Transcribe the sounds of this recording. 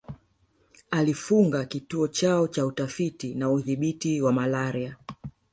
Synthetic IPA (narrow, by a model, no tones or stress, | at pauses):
alifuŋɡakituɔt͡ʃaɔt͡ʃautafitinauðiɓitiwamalaɾia